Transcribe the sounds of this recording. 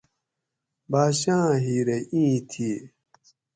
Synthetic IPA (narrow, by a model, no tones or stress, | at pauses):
baːɕãːɦiːɾeĩːt̪ʰi